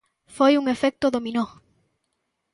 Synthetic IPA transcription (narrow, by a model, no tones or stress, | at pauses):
fojuŋefɛk̚t̪oðomino